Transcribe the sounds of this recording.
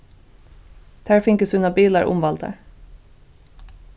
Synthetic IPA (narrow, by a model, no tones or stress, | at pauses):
d̪̥ʰæːɹfɪŋkəsʉnɑbiːlɑɹʔʊ̰mʋɑld̪ə̰ɹ